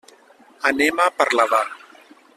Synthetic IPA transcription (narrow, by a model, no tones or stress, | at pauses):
anemapaɾlaða